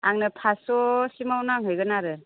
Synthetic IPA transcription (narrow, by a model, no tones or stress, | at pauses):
aŋnɯpʰasɔsimawnaŋɦɯjɡɯnaɾɯ